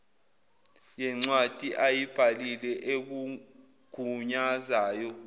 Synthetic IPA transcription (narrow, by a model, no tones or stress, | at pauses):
jɛŋ͡ǀwad̥ʱiʔajib̥ʱalilɛʔek̬u | ɡ̥ʱuɲazaːjɔ